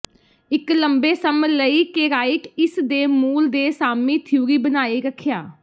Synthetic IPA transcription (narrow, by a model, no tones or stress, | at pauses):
ɪkləmbeːsəmələiːkeːɾaːɪkɪsd̪eːmuːld̪eːsaːmiːt̪ʰɪjuːɾiːbənaːeːɾəkʰːjaː